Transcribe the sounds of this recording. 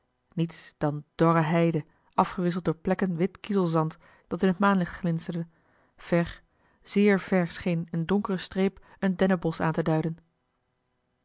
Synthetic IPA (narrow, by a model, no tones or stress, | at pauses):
nitsd̥ɑnd̥ɔrəɦɛjdə | ʔɑfχəʋɪs̬əlˠtdʊːɹplɛkənʋɪtkizəlˠzɑnt | d̥ɑtɪnɦətmaːnlɪχtχlɪnstəɹdə | v̥ɛɹ | z̥ɪːɹv̥ɛɹsχejnəndʊŋkərəstreːp | əndɛnəbɔsa̰ːntədœɥdən